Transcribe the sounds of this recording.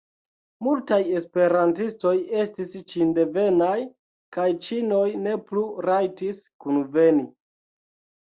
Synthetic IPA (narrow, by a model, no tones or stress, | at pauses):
multaje̞spe̞ɾantisto̞je̞stist͡ʃinde̞ve̞naj | kajt͡ʃino̞jne̞pluɾajtiskunve̞ni